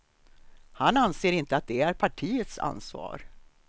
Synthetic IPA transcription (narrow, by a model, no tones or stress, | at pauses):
hananseːɾɪnt̪əat̪̚d̪ɛæɾpʰaʈʰiːət̪sa̰nsvɑ̰ːɾ